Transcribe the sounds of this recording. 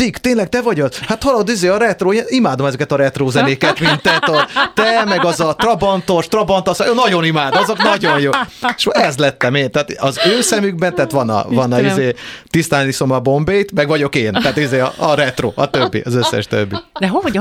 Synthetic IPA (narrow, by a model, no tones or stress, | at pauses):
t̪iɡt̪eːnlɛɡ̚t̪ɛvɒɟot̪hat̪hɒlɒod̪izeːɒɾɛt̪roːeːnimaːd̪o̞mɛzɛkɛt̪ɒɾɛt̪roːzɛneːkɛt̪mint̪ːɛt̪ɒt̪ɛmɛɡɒzɒt̪rɒbɒnt̪o̞ʃt̪rɒbɒnt̪osnɒɟo̞nimaːd̪oɒzo̞knɒɟo̞jjoːʃɛzlɛt̪ːɛmeːnt̪ɛaːt̪ɒzøːsɛmyɡ̚bɛnt̪aːt̪ʋɒnɒ̰vɒnɒizzeːt̪ist̪aːniso̞mɒbo̞mbeːjt̪mɛɡʋɒɟo̞keːnt̪ɛat̪izeːɒ̰ɒɾɛt̪ro̰ːʔɒ̰t̪øbːḭɒzøsːɛ̰ʃt̪ø̰bːḭd̪ɛɦoo